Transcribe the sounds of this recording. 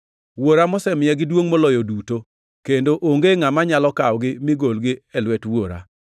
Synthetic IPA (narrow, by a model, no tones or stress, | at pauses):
woɾamɔsɛmɪɛɡɪdwoŋmolɔjoduto | kendoʔoŋɡeŋamaɲalɔkawɡɪmɪɡolɡɪɛlwɛtwoɾa̰